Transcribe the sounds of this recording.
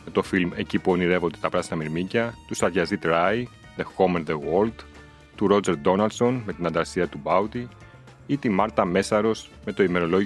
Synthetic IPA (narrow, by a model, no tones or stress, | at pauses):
met̪o̞filme̞cipuoniɾe̞vo̞nd̪e̞t̪ɐpɾɐsinɐmiɾmicɐt̪usɐɾʝɐzit̪ɾɐi | ðe̞xo̞meɾðeɣold̪ | t̪uɾo̞d͡ze̞ɾd̪o̞nɐld̪so̞nme̞t̪inɐnd̪ɐɾsiɐt̪ubɐwt̪i | it̪imɐɾt̪ɐme̞sɐɾo̞s | me̞t̪o̞ime̞ɾo̞lo̞ʝ